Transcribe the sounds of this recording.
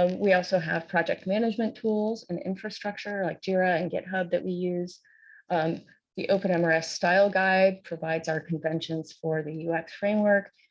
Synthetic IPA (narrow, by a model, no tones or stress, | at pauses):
wiɔlˠsoʊɨv̥pʰɹ̥ɑd͡ʒɛk̚t̚mæñɨd͡ʒmɨ̃ntʰulˠzɨ̃nɪ̰̃ɱfɹɨstɹ̥ʌk̚t͡ʃə˞laɪk̚d̥ɪɹɨɨ̃nɡɛ̰t̚ɦʌb̚ðɨʔ̚wijʉz̥ | ðiʔoʊpɨ̃nɛ̃mə˞ɛstaɪlˠɡaɪd̚pʰɹ̥ɨvaɪdzaʊə˞kʰɨ̃ɱvɛ̃nʃɨ̃nz̥fə˞ðɨjʉɛksfɹẽɪ̃mwɜ˞k